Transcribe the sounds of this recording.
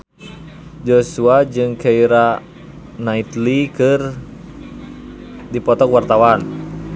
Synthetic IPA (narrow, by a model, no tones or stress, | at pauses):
d͡ʒɔsuad͡ʒɨŋkɛiɾa | nait̪likɨr | dipɔt̪ɔkwart̪awan